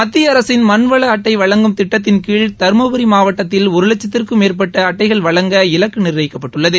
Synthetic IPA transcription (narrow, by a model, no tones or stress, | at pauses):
mɐt̪ːɪjɐɐɾɐsɪnmɐnʋɐɭɐːʈːɐɪʋɐɭɐŋɡɯmt̪ɪʈːɐt̪ːɪnkiːɭt̪ɐɾmɐʋɐɾimaːʋɐʈːɐt̪ːɪlʊɾɯlɐt͡ʃːɐt̪ːɪrkɯmeːrpɐʈːɐːʈːɐɪɣɐɭʋɐɭɐŋɡɐɪlɐkːɯnɪɾʋɐjɪkːɐpːɐʈːɯɭːɐðɯ